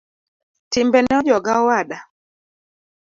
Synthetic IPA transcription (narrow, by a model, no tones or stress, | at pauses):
timbɛnɛɔd͡ʒɔɡaɔwaɗa